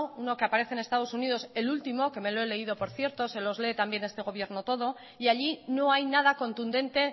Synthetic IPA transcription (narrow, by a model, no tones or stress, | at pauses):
uno̞keapaɾe̞θene̞st̪aðo̞suniðo̞se̞lult̪imo̞ke̞me̞loe̞le̞ið̞o̞po̞ɾθje̞ɾt̪o̞se̞lo̞zle̞ːt̪ambje̞ne̞st̪e̞ɣ̞o̞β̞je̞ɾno̞t̪o̞ð̞o̞ | iaʎino̞ajnað̞ako̞nt̪und̪ẽ̞nt̪e̞